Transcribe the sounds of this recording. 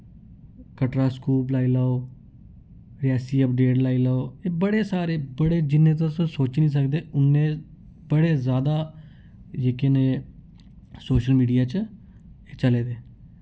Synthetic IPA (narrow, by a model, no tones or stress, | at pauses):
kəʈɾaːskuːplaːiːlaːoː | ɾɪaːsiːəp̚ɖeːʈlaːiːlaːoːeːbəɽeːsaːɾeːbəɽeːd͡ʒɪnːẽːt̪̬ãssoːt͡ʃnĩːs̬əkd̪eːʊnːẽː | bəɽeːzjaːd̪aː | jeːkeːnẽː | soːʃəlmiːɖijaːt͡ʃː | t͡ʃəleːd̪eː